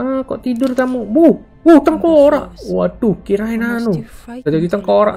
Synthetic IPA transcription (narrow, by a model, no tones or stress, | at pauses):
ako̰ʔt̪idʊrt̪amobu | but̪aŋkoɾaʔwat̪ukiɾaɦinanuad͡ʒad͡ʒit̪əŋkoɾa̰ʔ